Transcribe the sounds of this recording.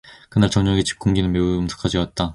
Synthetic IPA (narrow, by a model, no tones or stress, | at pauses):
kɯnaɭt͡ɕʌŋɲʌŋɡet͡ɕi̥p̚k͈uŋɡinɯnme̞uɯmsʰɯ̥kʰad͡ʑiwat̚t͈a